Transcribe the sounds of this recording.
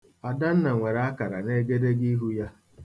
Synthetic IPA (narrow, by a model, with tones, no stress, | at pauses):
a˨da˦n̩˦na˨ŋʷe˨ɾa˦a˦ka˨ɾa̰˨ne˦ɡe˦de˦ɡi˦ɦu˦ja˦